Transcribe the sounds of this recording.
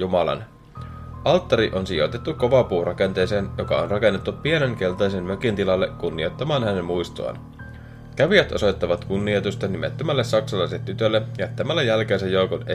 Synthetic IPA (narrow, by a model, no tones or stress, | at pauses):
jumɑlɑ̰n | ʔɑlt̪ːɑɾiʔo̞nsijo̞̰t̪et̪ːukko̞ʋɑpuːrʔɑke̞nt̪e̞ːse̞ːnjo̞kɑ̰onrɑke̞nːet̪ːupie̞neŋke̞lt̪ɑjsemmø̞kint̪ilɑlːekkunːio̞t̪ːɑmɑːnhæne̞mmujst̪oɑ̰n | kæʋiæt̪ʔo̞̰so̞jt̪ːɑʋɑt̪kunːiot̪ust̪ɑnimḛt̪ːømælːessɑksɑlɑiset̪ːyt̪ølːejɑt̪æmælːæjælkeːnsæjːo̞ukone